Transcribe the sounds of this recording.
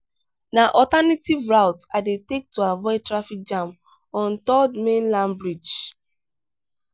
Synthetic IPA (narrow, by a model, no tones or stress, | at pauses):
naʔɔtanativɹaʊtadetek̚tuavɔɪtɹafik̚d͡ʒãm | ɔ̃ntɔdmẽnlãmbɹid͡ʒ